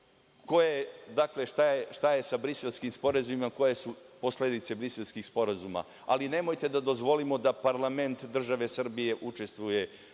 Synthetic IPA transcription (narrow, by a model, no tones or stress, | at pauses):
ko̞jed̪akle̞ʃt̪aeʃt̪ajesabɾiselskimspo̞ɾazumimako̞jesupo̞sled̪it̪se̞bɾiselskixspo̞ɾazuma̰ | a̰line̞mojt̪e̞d̪ad̪o̞zʋo̞limo̞d̪apaɾlˠame̞nt̪d̪r̩ʒaʋe̞sr̩bije̞ʔut͡ʃe̞st̪ʋuje̞